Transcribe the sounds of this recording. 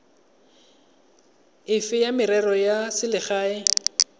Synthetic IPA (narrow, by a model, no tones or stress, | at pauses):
ɪfɪjamɪɾɛrɔjasɪlɪχaːɪ